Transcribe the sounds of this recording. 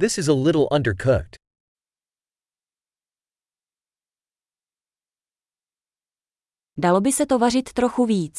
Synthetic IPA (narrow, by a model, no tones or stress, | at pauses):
ðɪsɨzəlɪɾl̩ˠʔʌ̰̃ndə˞kʰoʊt | dalo̞bɪsɛt̪o̞varɪt̪ːɾo̞xuviːt͡s